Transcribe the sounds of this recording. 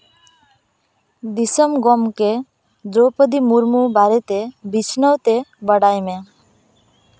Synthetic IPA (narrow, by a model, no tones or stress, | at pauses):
d̪isəmɡɔmke | d̪ɾopəd̪imuɾmubaɾet̪ebit͡ʃʰnəwt̪ebəɽajmẽ